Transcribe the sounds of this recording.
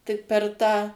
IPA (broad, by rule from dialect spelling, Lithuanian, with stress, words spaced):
tʲɪk pʲɛr ˈtɑː